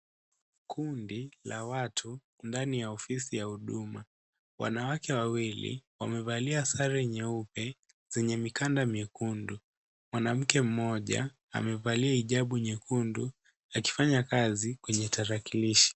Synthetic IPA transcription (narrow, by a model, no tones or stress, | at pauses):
kʰundilawatʰu | ndanijaɔfisijahuɗuma | wʔa̰nawakɛwawilḭwamɛvaliasaɾɛɲɛupɛ | z̥ɛɲɛmikandamɛkundu | mwanam̩kɛm̩mɔʄa̰ | a̰mɛvaliaiʄaɓuɲɛkundu | aki̥faɲakazikwɛɲɛtaɾakiliʃi̥